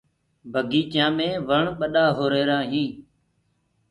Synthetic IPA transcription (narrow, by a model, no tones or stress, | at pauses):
bʱəɡiːt͡ʃjãːmẽːʋəɳɓəɗaːɦoːɾeːɾãːɦĩː